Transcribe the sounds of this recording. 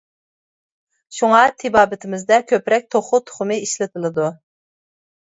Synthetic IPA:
ʃuŋɑt̪ʰɪbɑːbɪt̪ʰɪmɪzd̪ɛkʲʰøpɾɛk̚ʲt̪ʰoχʊt̪ʰʊ̥χʊmɨiʃlɪt̪ʰɪlˠɨd̪u

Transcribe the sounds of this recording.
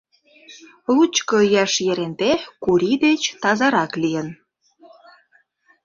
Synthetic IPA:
lut͡ɕkojɑʃjeɾent̪ekuɾid̪et͡ɕt̪ɑzɑɾɑklijən

